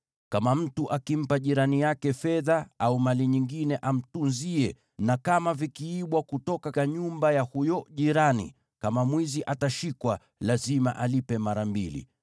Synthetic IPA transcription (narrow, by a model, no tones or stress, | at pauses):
kamam̩tuʔakim̩paʄiɾanijakɛfɛðaaumaliɲiŋɡinɛʔam̩tunziɛ | nakamavikiːɓwakutɔkaaɲumbajahujɔʄiɾanḭ | kamamwiziʔataʃikwa | lazima̰ʔalipɛmaɾambilḭ